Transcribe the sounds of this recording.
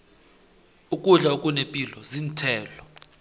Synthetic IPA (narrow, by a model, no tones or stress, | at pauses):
ukʼuɮaukʼunepʼilɔzintʰɛːlɔ